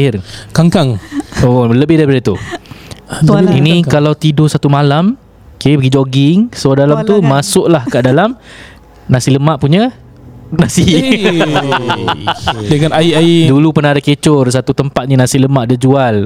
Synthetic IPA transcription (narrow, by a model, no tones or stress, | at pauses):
rkaŋkaŋoləbɪhdapadat̪u | inĩkalawt̪idosat̪umalam | kaipəɡid͡ʒɔɡɪŋsodalamt̪umasʊʔlahkaʔdalam | nãsiləmaʔpuɲa | nasi | dəŋanaiaidulupərnaadaket͡ʃʊrs̬at̪ut̪əmpat̪̚nĩnãsiləmaʔ̚dəd͡ʒual